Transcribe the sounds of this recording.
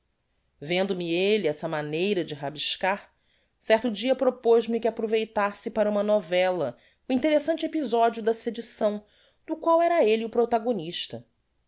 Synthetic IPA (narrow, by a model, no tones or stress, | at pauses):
vẽnd̪ʊmɪelɪɛsɐmanejɾɐd͡ʒɪɦabiʃkaɾ | sɛɾt̪ʊd͡ʒiɐpɾopoʒmikɪapɾovejt̪aɾsɪpaɾɐũmɐnɔvɛlɐ | ʊĩnt̪eɾesɐ̃nt͡ʃɪepizɔd͡ʒiʊd̪ɐsed͡ʒisɐ̃w̃ | d̪̥ʊkwawɛɾɐeliʊpɾot̪aɡoniʃt̪ɐ